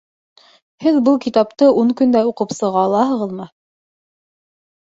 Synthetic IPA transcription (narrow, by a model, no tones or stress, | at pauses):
hɘðbɤlˠkit̪ɑpt̪ɤʔuɴkɵ̆nd̪æuqɤpsɤ̆ʁɑːlˠɑɦɤ̆ʁɤðmɤ